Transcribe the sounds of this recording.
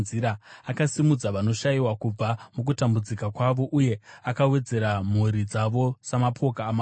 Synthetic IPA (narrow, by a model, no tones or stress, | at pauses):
ziɾaːkasimud͡zaʋano̞ʃaiwakub͡vamuk̬utambud͡zikakwaʋo̞ʔuje̞akawe̞d͡ze̞ɾam̤uɾid͡zaʋo̞samapʰo̞kaːma